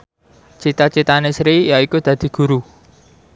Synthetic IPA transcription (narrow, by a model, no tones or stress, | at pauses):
t͡ʃit̪at͡ʃit̪anesɾijaikud̪̥ä̤d̪̥i̤ɡ̥ṳɾu